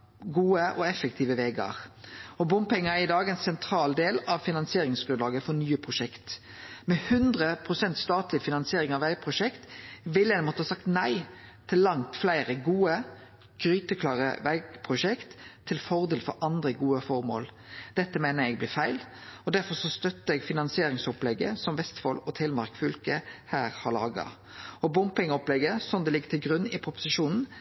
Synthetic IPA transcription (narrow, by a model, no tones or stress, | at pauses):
ɡuːəʔɔɛfəkt̪ʰiːʋəʋeːɡɑ̰ɾɔbʊmpɛŋːəæɾɪd̪ɑːɡɛːnsɛnt̪ʰɾɑːld̪eːlɑʋfɪnɑnsɪeːɾɪŋsɡɾʉnlɑːɡəfɔnyːəpʰʁʊʃɛkt̪ | mɛhʉnd̪ʁəpʰɾʊsɛnt̪st̪ɑːt̪lɪfɪnɑnsɪeːɾɪŋɑʋæɪpʰʁʊʂɛkt̪ʋɪlːɛnmɔt̪ːəhɑsɑk̚t̪næɪt̪ʰɪlːɑŋt̪flæɪɾəɡuːə | ɡ̥ɾyːt̪əkʰlɑːʁə̰ʋæɪɡpʰʁʊʃɛkt̪ʰːɪlfɔʁd̪eːlfɔɾʔɑnd̪ʁəɡuːəfɔɾmo̰ːl | d̪̥ɛt̪ːəmeːnəɛɡ̚blɪːfæɪlɔd̪æɾfɔʁʂɔst̪œt̪ːəɛɡfɪnɑnsɪeːɾɪŋsɔplɛɡə̰sɔmʋɛst̪fɔlɔt̪ʰeːlmɑʁkfʉlkəhæːɾhɑɾɭɑ̰ːɡɑ̰ | ɔbʊmpɪŋɔplɛɡəsɔnd̪ɛlɪɡːət̪ʰɪlɡʁʉnɪpʰɾʊpʊ̥sɪʃuːnn̩